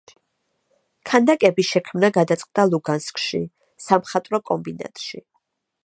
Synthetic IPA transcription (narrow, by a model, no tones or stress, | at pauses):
kʰand̪akʼɛbiʃɛkʰmnaɡad̪at̪sʼqʼd̪alˠuɡanskʼʃḭ | samχat̪ʼɾɔkʼɔmbina̰t̪ʼʃḭ